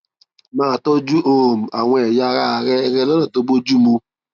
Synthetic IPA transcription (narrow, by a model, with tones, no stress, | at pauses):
mãː˦˧˨tɔ˦d͡ʒu˦o˦˨o˨m̩˨a˨w̃ɔ̃˧ɛ˨ja˧ɾa˦˨ɾɛ˦˧ɾɛ˦lɔ˦nã˦˨to˧ɡ͡bo˦d͡ʒu˦mo˧